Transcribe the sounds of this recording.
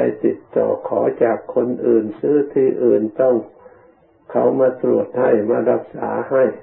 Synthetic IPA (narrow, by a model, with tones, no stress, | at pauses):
a̰˧jt̪i˨˧˩t̪ːɔ̰ː˨˩kʰɔː˩˦t͡ɕaː˨˩kʰːo˧nʔɯː˨˩nsɯː˧˥˨t̪ʰiː˧ʔɯː˨˩nt̪ɔ˧˩ŋ | kʰa˧˩wmaː˧t̪ɾu˨˩ət̪̚ha˧˩jmaː˧la˧˩p̚sa̰ː˩˦ha˧˥˩j